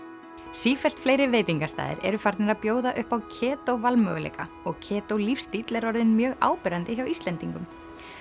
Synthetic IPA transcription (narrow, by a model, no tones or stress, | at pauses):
siːfɛl̥t̪fleːjɾɪveːjt̪iŋkast̪a̰ːðɪ̰ɾɛ̰ɾʏfaɾt̪nɪɾaðpjoːwðaʔʏhpawcʰɛːt̪owvalmœ̰ːɣʏlḛːka̰ | ɔɣcʰɛːt̪owlifst̪it̪lɛɾɔɾðɪnmjœːɣa̰ːwpɛɾant̪ɪçawist̪lɛnt̪iŋkʏm